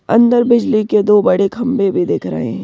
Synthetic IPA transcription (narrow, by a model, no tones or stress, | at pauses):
ɐ̰̃nd̪əɾbɪd͡ʒliked̪oːbɐɽekʰɐ̃mbebʱid̪ɪːkʰɾə̰ɦḛ̃